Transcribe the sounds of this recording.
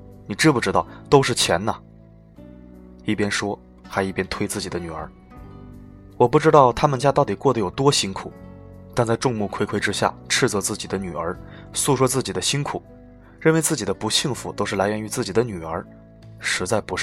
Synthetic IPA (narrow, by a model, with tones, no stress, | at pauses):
ni˨˩ʈ͡ʂɻ̩˥pu˥˩ʈ͡ʂɻ̩˥t̪ɑ˥˩ʊt̪o˥ʊʂɻ̩˥˩t͡ɕʰjɛ˧˥nnə˨ | i˥˩pjɛ˥nʂwɔ˥ | xa˧˥ɪi˥˩pjɛ˥nt̪ʰwe˥ɪt͡sɹ̩˥˩t͡ɕi˨˩d̪ə˦ny˨˩ə̰˞˧˥ | wɔ˨˩pu˥˩ʈ͡ʂɻ̩˥t̪ɑ˥˩ʊt̪ʰa˥mə˨nt͡ɕja˥t̪ɑ˥˩t̪i˨˩kwɔ˥˩d̪ə˩jo˨˩ʊt̪wɔ˥ɕi˥ŋkʰu˨˩˦ | t̪a˥˧nt͡sa˥˧ɪʈ͡ʂʊ˥˧ŋmu˥˩kʰwe˥ɪkʰwe˥ʈ͡ʂɻ̩˥ɕja̰˥˩ʈ͡ʂʰɻ̩˥˧t͡sɔ˧˥t͡sɹ̩˥˩t͡ɕi˨˩d̪ə˦ny˨˩ə˞˧˥su˥˩ʂwɔ˥t͡sɹ̩˥˩t͡ɕi˨˩d̪ə˦ɕi˥nkʰu˨˩˦ | ɻə˥˩nwe˧˥ɪt͡sɹ̩˥˩t͡ɕi˨˩d̪ə˦pu˧˥ɕi˥˩ŋfṵ˧˥t̪o˥ʂɻ̩˥˩la˧˥ɪɥɛ˧˥ny˧˥t͡sɹ̩˥˩t͡ɕi˨˩d̪ə˦ny˨˩ə˞˧˥ | ʂɻ̩˧˥t͡sa˥˩ɪpu˧˥